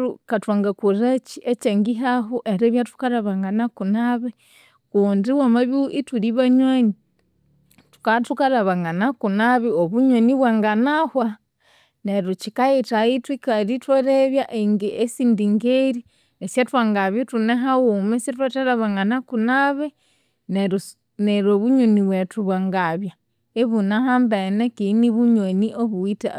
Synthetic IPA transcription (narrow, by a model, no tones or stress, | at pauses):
ɾukatwaŋɡakuɾat͡ʃiʔet͡ʃeŋɡiɦaɦuʔeɾeβjatu̥kaɾaβaŋɡanakunaβe | kuːndiwamaβiuʔituɾiβaɲwaɲi | tu̥katukaɾaβaŋɡanakunaβioβuɲwaniβwaːŋɡanahwa | neɾut͡ʃikajetaitwikaɾitwoɾeβjaʔeŋɡiʔesindiŋɡeɾi | esjatwaŋɡaβjetuneɦawumesjatwataɾaβaŋanakunaβe | neɾ | neɾoβuɲoniβwetuβwaŋɡaβja | eβunaɦambenekiniβuɲwoniʔoβuita̰